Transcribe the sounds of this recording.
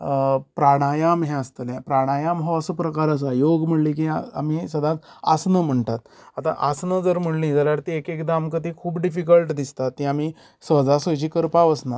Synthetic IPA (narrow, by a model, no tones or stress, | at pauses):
pɾaɽ̃ajamɦẽəst̪əljẽpɾaɽ̃ajamɦɔəsəpɾəkaɾas̬ajoɡm̤əɽlĩːk̬ĩamisəd̪ʱãt͡sa̰snəm̤əɳt̪at̪ | at̪a̰ʔasnəd͡zəɾm̤əɽlĩd͡zəljaɾt̪iekekd̪aːmkət̪ikʰuːbɖifik̬əlʈd̪ist̪at̪ːĩami | sʋəd͡zasət͡ɕiːkəɾpaʋəsnat̪